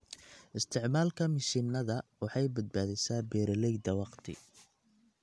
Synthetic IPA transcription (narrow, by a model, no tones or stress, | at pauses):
ʔɪst̪ʰɪʕmaːlkʰɐmɪʃinːɐðɐwɑħɑjbɐd̪̚baːðɪsaːbɛːɾɐlɛjd̪ɐwɑqt̪ʰɪ̰